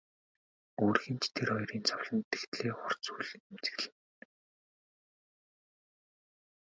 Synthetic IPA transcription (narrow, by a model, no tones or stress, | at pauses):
oːrxɘ̆nt͡ɕt̪ʰerχɔjriːnt͡sʰɔwɮɞ̆nt̪ːext̪ɮeːχʊr̥t͡suːɮemt͡sɘ̥̆ɣ̆ɮɘ̆n